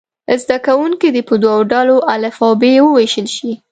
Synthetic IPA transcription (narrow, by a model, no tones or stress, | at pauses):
zd̪akawuŋkid̪epəd̪wawɖɑloʔalafɑbewəweʃəlʃi